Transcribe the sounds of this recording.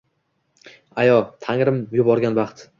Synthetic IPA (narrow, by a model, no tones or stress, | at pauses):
ajɒt̪ʰaŋɾɪmjʊbɒɾɡʲanbɑχt̪